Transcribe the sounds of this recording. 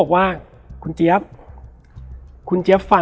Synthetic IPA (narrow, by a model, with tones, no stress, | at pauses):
k̚waː˥˩ | kʰu˧nt͡ɕi˦˥ɐp̚ | kʰu˧nt͡ɕi˦˥əpfa˧